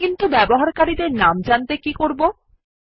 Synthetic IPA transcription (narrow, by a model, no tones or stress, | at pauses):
int̪ubɛboɦaɾkaɾid̪eɾnamd͡ʑant̪ekikoɾbo